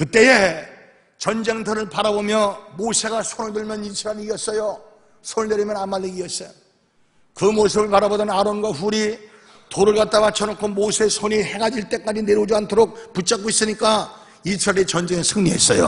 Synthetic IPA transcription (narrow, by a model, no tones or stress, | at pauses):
kɯt͈e̞e | t͡ɕʌnd͡ʑe̞ŋtʰʌɾɯɭpaɾabomjʌmosʰe̞ɡasʰonɯɭdɯɭmjʌnit͡ɕʰɯɾaɾiiʌs͈ʌjo | sʰonɯɭneɾimjʌnamːaʎːiɡiʌs͈ʌjo | kɯmosʰɯbɯɭpaɾabodʌnaɾonɡwaɸuɾi | toɾɯɭɡat̚t͈amat͡ɕʰʌnɯkʰomosʰe̞sʰoɲihe̞ɡad͡ʑiɭt͈e̞k͈ad͡ʑineɾjod͡ʑiantʰoɾok̚put͡ɕ͈ak̬͈ois͈ɯɲik͈a | it͡ɕʰʌɾaɾet͡ɕʌnd͡ʑe̞ŋesʰɯŋɲiɦe̞̰s͈ʌ̰jo̰